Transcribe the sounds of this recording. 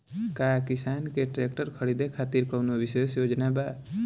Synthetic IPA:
kaːkɪsaːnkeʈɾek̚ʈəɾkʰəɽid̪ekʰaːt̪iɾkənoʋisesjoːd͡ʒnabaː

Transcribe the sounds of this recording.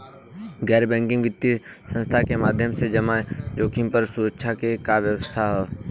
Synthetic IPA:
ɡɛːɾbɛ̃ːŋkɪ̃ŋɡʋɪt̪ːisə̃nst̪ʰakemaːd̪ʱjəmsed͡ʒəmad͡ʒoːkʰimpəɾsuːɾəkʃʰakekaʋjəwəst̪ʰaɦoː

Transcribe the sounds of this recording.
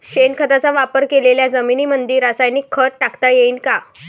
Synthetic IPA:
ɕenkʰət̪at͡saʋapəɾkeleljad͡zəminiːmənd̪iːɾasajniːkʰːəʈːakt̪ajeiːnka

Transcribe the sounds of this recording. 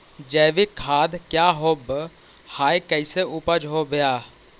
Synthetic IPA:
d͡ʒɛːʋɪkʰːaːd̪kjaːɦoːb | haːjkɛɪseʔʊpəd͡ʒɦobjaː

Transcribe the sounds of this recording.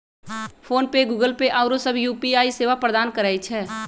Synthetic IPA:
pʰoːnpeɡuːɡəlpeʔaːʊɾosəbʱjuːpiaːiseːʋapɾəd̪aːnkəɾɛːit͡ʃʰɛː

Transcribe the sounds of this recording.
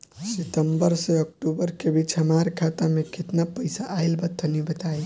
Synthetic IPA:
sit̪əmbəɾsẽək̚ʈubəɾkebʱit͡ʃʰɦəmaɾkʰat̪amekit̪napəjsaʔːjlbət̪ʰːənibət̪aj

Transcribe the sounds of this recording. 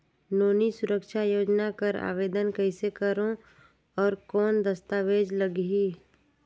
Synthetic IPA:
noːnisʊɾəkʃajoːd͡ʒnakəɾa̰ːʋeːd̪ənkəɪsekəɾõ | ɔːɾkɔːnd̪əst̪aːʋeːd͡ʒləɡɦiː

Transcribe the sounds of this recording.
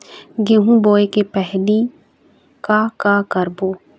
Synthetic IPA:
ɡeɦũboːekepɛɦli | kakakəɾboː

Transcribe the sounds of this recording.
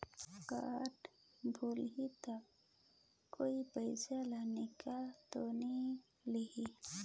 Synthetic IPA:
kaʈ | bʱulɦit̪a | koipəjd͡ʒalanikat̪oni | lihi

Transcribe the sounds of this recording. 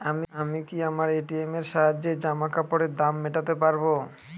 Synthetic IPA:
amiamikiamaɾeʈiemeɾʃaɦad͡ʑed͡ʑamakapɔɽed̪amːeʈat̪epaɾbo

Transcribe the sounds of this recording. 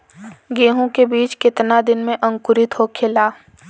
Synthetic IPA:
ɡeːɦõkebiːt͡ʃkɪt̪nad̪ɪnmẽʔɐ̃ŋkʊɾɪt̪ɦokʰɪlaː

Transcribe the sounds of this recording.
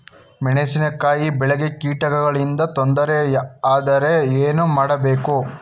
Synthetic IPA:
mɛɳesinɐkːaːjibɛɭeɡe̞kiːʈɐɡɐɡɐɭind̪ɐt̪ond̪ɐɾeaːd̪ɐɾe̞eːnumaːɽɐbe̞ːku

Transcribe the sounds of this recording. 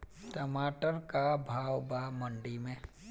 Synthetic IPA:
t̪ɐmaːʈənkabʱaːwbaməɳɖimẽ

